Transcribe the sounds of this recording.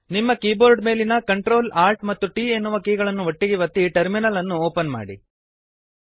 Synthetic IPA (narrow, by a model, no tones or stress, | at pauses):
nimːɐkiːboːɾɖme̞ːlinɐkɐɳʈɾo̞ːlaːɾʈmɐt̪ːuʈiːe̞nːuʋɐkiːɡɐɭɐnːuʋɐʈːiɡiʋɐt̪ːiʈɐɾminɐlɐnːuoːpɐnma̰ːɽḭ